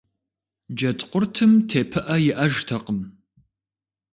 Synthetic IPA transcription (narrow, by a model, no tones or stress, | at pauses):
d͡ʒɐtʼqʷʊrtʰɨmtʰeːpʰɨʔɐjɪʔɐʒtʰɐqəm